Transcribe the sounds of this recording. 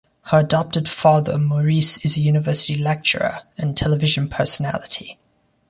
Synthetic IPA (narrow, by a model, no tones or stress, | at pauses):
həɹədɑp̚tɪd̥fɑːðə̰mɔɹiˑsɪzəjʉːnɪvɜˑsɪ̥tilɛk̚t͡ʃə̰ɹə̰ə̃ntʰɛlɪvɪʒə̃npʰɜˑsəna̰lɪtʰi